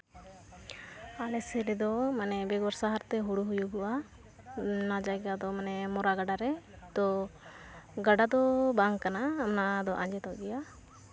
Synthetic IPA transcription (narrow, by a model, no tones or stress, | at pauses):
alɛsɛɾɛd̪ɔmanɛbɛɡɔɾsaɦaɾt̪ɛɦuɽuɦujuɡɔwa | nad͡ʒajɡad̪ɔmanɛmɔɾaɡaɖaɾɛ | t̪ɔ | ɡaɖad̪ɔbaŋkanaːmnad̪ɔʔaɲd͡ʒɛt̪ɔɡɛja